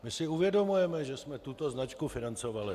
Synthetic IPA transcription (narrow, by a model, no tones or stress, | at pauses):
mɪsɪuvjɛdo̞mujɛmɛʒɛsmɛt̪ut̪o̞znat͡ʃkufɪnant͡so̞valɪ